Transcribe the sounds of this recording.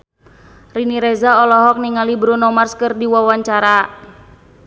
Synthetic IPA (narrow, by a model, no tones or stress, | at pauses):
riniɾɛzaɔlɔɦɔk̚niŋalibɾunɔmarskɨrdiwawaɲt͡ʃaɾa